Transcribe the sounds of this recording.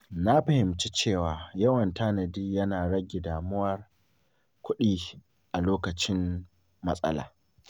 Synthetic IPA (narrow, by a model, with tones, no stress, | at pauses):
na˦ɸɐ˦hɪ˨mt͡ʃi˦t͡ʃeː˦˨waː˨jɐ˦wɐ˨ntaː˦nɐ˨diː˦jɐ˦naː˨ɽɐ˦ɡʲɪ˨daː˨mʊ˦wɐ˦r | kʷʊ˦ɗiː˦ | ʔa˨loː˦kɐ˨t͡ʃɪ˦mː | ɐ˦sʼɐ̰˦la̰ː˨